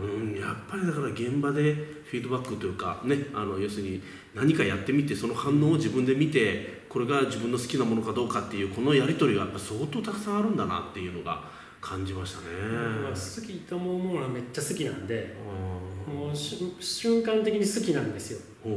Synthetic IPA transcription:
ɯ̟̃japːaɾʲid̪akaɾaɡẽ̞mbad̪e̞ | ɸʲiːd̪o̞bakːɯt̪ːo̞jɯ̟ːka̰ne̞ano̞jo̞ːsɨɲ̟i | naɲ̟ikajat̪ːe̞mʲit̪e̞so̞no̞hãnːo̞ːod͡ʑibɯ̟̃nd̪e̞mʲit̪e̞ko̞ɾe̞ɡad͡ʑibɯ̃nːo̞sɨ̥kʲinamo̞no̞kad̪o̞ːkat̪ːe̞jɯ̟ːkono̞jaɾʲit̪o̞ɾʲiɡajapːaɾʲi̥so̞ːt̪oːt̪akɯ̥sãɰ̃aɾɯ̟̃nd̪ana̰t̪ːe̞jɯ̟ːno̞ɡa̰ | kʰãɲ̟d͡ʑimaɕi̥t̪ane̞asɨkʲit̪amonnoɡame̞t͡ɕːasɨkʲinãnd̪e̞ | moɕɕɨ̃ŋkãnt̪e̞kʲiɲ̟isɨkʲinãnd̪e̞sɨjo̞ | hoː

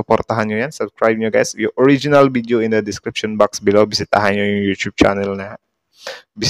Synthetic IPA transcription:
əpɔrt̪aɦanɲɔjansubskɾajb̚ɲaɡajsjuʔɔɾid͡ʒinalvideoindədiskɾip̚ʃɔnbaksbilawbisit̪aɦaɲajjut̪ub̚t͡ʃa̰nɛlna | bis

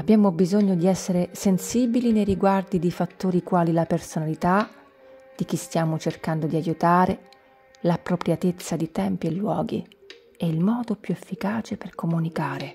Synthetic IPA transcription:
abːjaːmobizoɲːod̪iɛsːeɾesensiːbilinejɾiɡward̪id̪ifat̪ːoːɾikwaːlilapersonalit̪a | d̪̥ik̟ist̪jaːmot͡ʃerkand̪od̪iajut̪aːɾe | lapːɾopɾjat̪et̪sːad̪it̪ɛmpielːwɔːɡḭ | ɛilmɔːd̪opjuefːikaːt͡ʃeperkomunikaːɾe

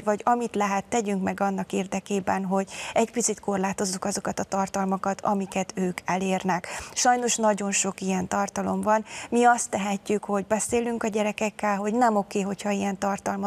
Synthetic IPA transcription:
vɒɟɒmit̪lɛɦɛt̪ːɛɟyŋkmɛɡɒnːɒkeːrd̪ɛkeːbɛnɦo̞ɟɛcpit̪sit̪ko̞rlaːt̪o̞zːukɒzo̞kɒt̪ɒt̪ɒrt̪ɒlmɒkɒt̪ʰɒ̰mikɛt̪øːkʰɛleːrnɛkʃɒjno̞ʃnɒɟo̞nʃo̞kijɛnt̪ɒrt̪ɒlo̞mvɒnmiɒst̪ːɛɦɛcːykho̞ɟbɛseːlyŋkɒɟɛɾɛkɛkːɛlɦo̞ɟnɛmo̞keːɦo̞chɒijɛnt̪ɒrt̪ɒlmɒ

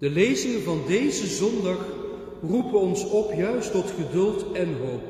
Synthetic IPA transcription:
d̥əlejzɪŋənvɑndejzəzɔndɑχ | rupəɔnsɔpjœɥstɔtχədɵlˠtɛnɦowp̚

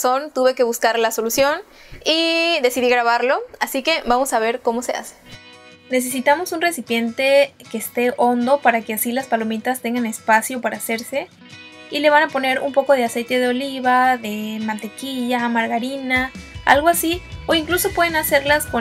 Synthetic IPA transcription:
sont̪uβe̞ke̞βuskaɾlaso̞lusjo̞n | iðe̞siðiɣɾaβaɾlo̞asike̞βamo̞saβ̞e̞ɾko̞mo̞se̞a̰se̥ | ne̞s̬e̞s̬it̪amo̞sunre̞sipje̞nt̪e̞ke̞ːst̪e̞ʔo̞nd̪o̞paɾake̞asilaspalo̞mit̪ast̪e̞ŋɡane̞spasjo̞paɾʔaːse̞ɾse̞ | ile̞β̞anapo̞ne̞ɾṵmpo̞ko̞ð̞e̞ase̞jt̪e̞ðeo̞liβaðe̞mãnt̪e̞kiʝamaɾɣaɾinaa̰lɣo̞asio̞iŋkluso̞pwe̞ð̞enase̞ɾlasko

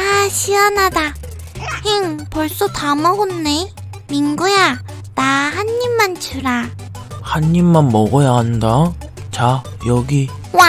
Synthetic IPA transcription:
aɕʰiʌnada | hiŋpʌɭs͈otamʌɡonːe | minɡuja | naɦanːimːant͡ɕuɾa | haɲːimːanmʌɡʌjaɦandat͡ɕajʌɡi | wa

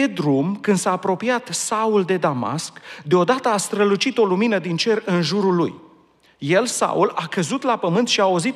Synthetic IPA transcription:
ed̪ɾumkɨnd̪saːpɾo̞pijat̪sauld̪e̞d̪ama̰skd̪eo̞d̪at̪əast̪ɾəlut͡ʃit̪o̞luminəd̪int͡ʃe̞rɨnʒuɾulːṵj | je̞lsa̰ulakəzut̪lapəmɨnt̪ʃiaozit̪

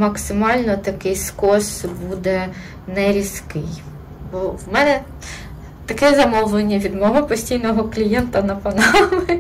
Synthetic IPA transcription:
mɐksɪmɑlʲnɔt̪ɐkɪjskɔsbud̪ɛ | nɛɾʲiskɪj | bɔwmɛnɛ | t̪ɐkɛzɐmɔwlˠɪnʲːɐʋʲid̪mɔɦɔpɔsʲtʲijnɔɦɔklʲijɛnt̪ɐnɐpɐnɑmɪ

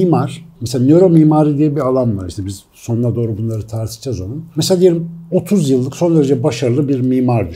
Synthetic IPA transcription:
imaɾ̥meselʲanøɾo̞miːmaːɾɯd̪ijɛbialˠanvaɾiʃt̪ʰɛbiz̥ | so̞nad̪oːɾubunlˠaɾɯt̪ʰaɾt̪ʰɯ̥d͡ʒazolˠunmesead̪ijelʲimo̞t̪ʰuzjɯlˠːɯkso̞nd̪eɾed͡ʒɛbaʃaɾɯlˠɯbiɾmiːmaɾd̪y

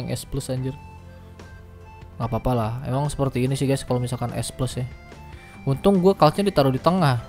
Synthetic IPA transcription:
ŋʔɛ̰spləsaɲd͡ʒʊr | ŋɡapapalahḛmaŋsə̥pərt̪iːnisɪhɡaskalomisalkanʔɛ̰spləsa | unt̪ʊŋɡuakalsɲadit̪aɾʊdit̪əŋah

